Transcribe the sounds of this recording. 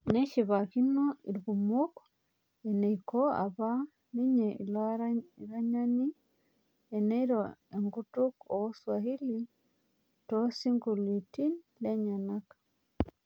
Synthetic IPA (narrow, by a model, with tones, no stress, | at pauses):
ne˦ʃi˨βa˨kino˦i˨ɾɡu˨muk | e˨ne˨ikoa̰˨βa˦ | ni˦ɲei˨l | ɾaɲa˦ɲi˦ | e˨ne˦iɾoeŋɡutu˦ko˨wo˦swahi˦li | tosi˦ŋɡu˨li˨ti˦n | le˦ɲa˨na˦kḁ